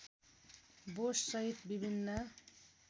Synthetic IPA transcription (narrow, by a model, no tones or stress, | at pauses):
bossʌɦit̪bibʱinːʌ